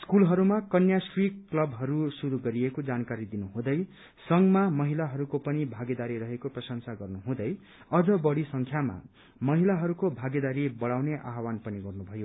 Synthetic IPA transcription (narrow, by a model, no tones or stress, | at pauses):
skulɦʌɾumakʌnjasrikklʌbɦʌɾusuɾuɡʌɾiekod͡zankaɾid̪inuɦũd̪ʌj | sʌŋmamʌɦilaɦʌɾukopʌnibʱaɡed̪aɾiɾʌɦekoprʌsʌŋsaɡʌrnuɦũd̪ʌj | ʌd͡zʌbʌɽisʌŋkʰjama̰ | mʌɦilaɦʌɾukobʱaɡed̪aɾibʌɽawneʔaɦwanpʌniɡʌrnubʱʌjo